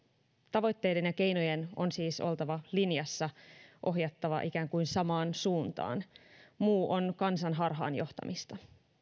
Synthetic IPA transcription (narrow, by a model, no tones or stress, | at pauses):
t̪ɑʋo̞jt̪ːejde̞njɑke̞jnojeno̞̰nsiːso̞̰lt̪ɑʋɑlinjɑsːɑʔo̞ɦjɑt̪ːɑʋɑ̰ʔikæːŋkujnsɑmɑːnsuːnt̪ɑ̰ːnmuːʔo̞nkɑnsɑnɦɑrɦɑ̰ːnjo̞ht̪ɑ̰mʔist̪ɑ